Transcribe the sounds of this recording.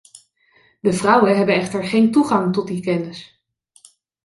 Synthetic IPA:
dəvrʌwənɦɛbənɛχtəɹχejntuχɑŋtɔt̚dikɛnəs

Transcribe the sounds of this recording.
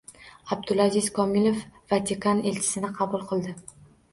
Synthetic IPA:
ab̚d̪ʊlˠazizkʰɒmilˠe̞fvat̪ʰikʰanelt͡ʃʰɪ̥sɪnɪqʰɑbʊlˠqʰɨlˠd̪ɪ

